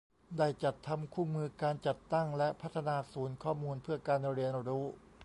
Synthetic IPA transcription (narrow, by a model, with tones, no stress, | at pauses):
daː˥˩jt͡ɕa˨˩t̪ʰːa˧mkʰuː˥˩mɯː˧kaː˧nt͡ɕa˨˩t̪ːa˥˩ŋlɛ˦˥ʔpʰa˦˥t̪ʰːa˧naː˧suː˩˦nkʰɔː˥˩muː˧npʰɯ˥˩ɐkaː˧n˧ɾi˧ənɾuː˦˥